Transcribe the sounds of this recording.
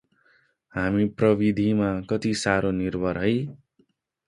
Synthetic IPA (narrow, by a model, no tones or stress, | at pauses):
ɦamiprʌbid̪ʱimakʌt̪isaɾʔonirbʱʌɾɦʌj